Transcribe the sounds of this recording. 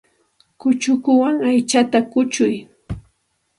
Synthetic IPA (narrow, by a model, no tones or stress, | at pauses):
kʊt͡ʃʊkʊwaŋajt͡ʃat̪akʊt͡ʃʊj